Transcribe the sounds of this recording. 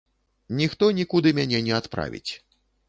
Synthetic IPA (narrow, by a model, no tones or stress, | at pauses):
nʲixt̪ɔnʲikud̪ɨmʲanʲɛnʲɛat̪pɾa̰vʲḭt͡sʲ